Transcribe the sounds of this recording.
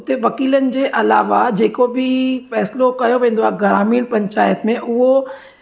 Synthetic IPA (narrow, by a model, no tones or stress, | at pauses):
t̪eʋɐkiːlənɪ̆d͡ʑeːʔɐla̰ːʋad͡ʑeːkobʱɪfɛːslokɐjoʋẽːn̆d̪oaːɡɐɾaːmiːɽpɐ̃ɲt͡ɕaːjət̪mẽʔʊɦo